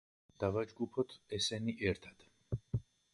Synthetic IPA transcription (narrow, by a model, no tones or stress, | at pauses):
d̪̥avad͡ʒɡupʰɔt̪ʰɛsɛniʔɛɾt̪ʰad̪̥